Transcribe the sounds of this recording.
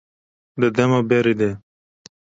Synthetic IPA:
d̪əd̪emabeɾid̪e

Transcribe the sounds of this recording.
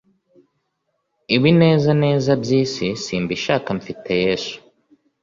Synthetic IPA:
iβine̞ːzane̞ːzabjiːsisiːmbiʃakaɱfitʰe̞jeːsu̥

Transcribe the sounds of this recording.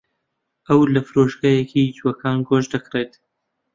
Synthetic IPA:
ɐwlɐfɨɾoʃkajɛkʰit͡ʃwɐkʰaːnɡoʒd̪ɐkɾet̪

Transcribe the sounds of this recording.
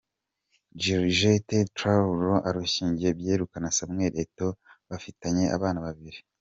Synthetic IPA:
d͡ʒiɾiʒatedtɾauɾoʔaɾuɕiːɲɟiebjeːɾukanasamŋe̞ːɾʔeto̞βafitaɲe̞a̰βaːnaβaβiɾi

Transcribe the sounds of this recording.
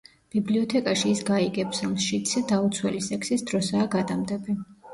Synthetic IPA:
b̥ibliɔt̪ʰɛkʼaʃiːsɡaiɡɛpsɾɔmʃit̪sʰɛd̪aut̪sʰwɛlisɛkʰsisd̪ɾɔsaːɡad̪ʼamd̪ɛbi

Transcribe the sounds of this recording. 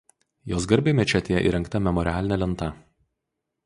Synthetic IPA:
joːs̬ɡɐɾʲbʲeːmʲɛt͡ʃʲɛt̪ʲejɛʔḭːɾʲɛŋkt̪ɐmʲɛmɔɾʲæːlʲɪnʲɛlʲɛnˑt̪ɐ

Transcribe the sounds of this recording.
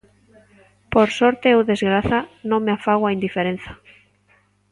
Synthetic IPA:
poɾsɔɾt̪eewðezɣɾaθanõŋmeafaɣwaind̪ifeɾẽnθḁ

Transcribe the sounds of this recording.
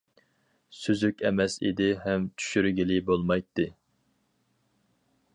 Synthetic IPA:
syzykʲɛmɛsḭd̪ɪɦɛmt͡ʃ̪ʰy̥ʃyɾɡʲilɪbolˠmɑjt̪ʰːɨ

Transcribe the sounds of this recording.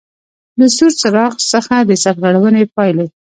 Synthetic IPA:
ləsuɾt͡saɾɑɣsəxad̪əsaɾɣaɽawənepɑjle

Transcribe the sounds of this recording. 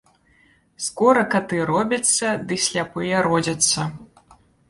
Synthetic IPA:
skɔɾɐkat̪ɨɾɔbʲɐt̪sːɐd̪ɨsʲlʲapɨjɐɾɔd͡zʲɐt̪sːɐ

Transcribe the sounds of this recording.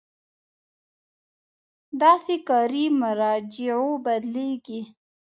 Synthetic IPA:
d̪ɑsekɑɾimʊɾɑd͡ʒɪʕobad̪leɡi

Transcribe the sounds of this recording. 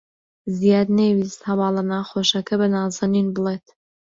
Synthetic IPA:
zijaːd̪newist̪hɐwɑːlˠɐnaːxoːʃɐkʰɐbɐnaːzɐniːnbɨlˠeːt̪

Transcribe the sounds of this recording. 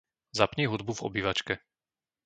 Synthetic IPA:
zapɲɪɛɦud̪̚buvɔ̰biʋat͡ʃkɛ

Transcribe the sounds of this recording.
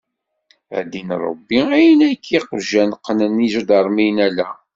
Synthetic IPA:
ə̰d̪inɾˤə̰bːiæjənækːiqəʒænqːnəniʒd̪ɑɾˤmijnælæ

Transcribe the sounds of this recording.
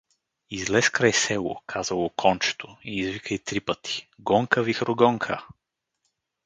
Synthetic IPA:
izlɛskɾajsɛlˠo̰kʰazəlˠokʰɔnt͡ʃɛ̥t̪ʰoiːzvikəit̪ɾipət̪ʰi̥ɡɔŋkəvixɾoɡɔŋkʰə

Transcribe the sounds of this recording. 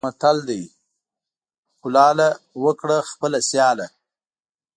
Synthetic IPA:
at̪ald̪aj | kʊlɑlawəkɽəxpəlasjɑla

